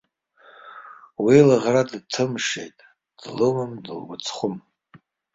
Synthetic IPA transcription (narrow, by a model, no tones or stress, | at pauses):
wilaʁradtʰɨmʂḛjtʼ | d̥lomɨmdɨ̰lɡʷʊt͡sʰχʷʊm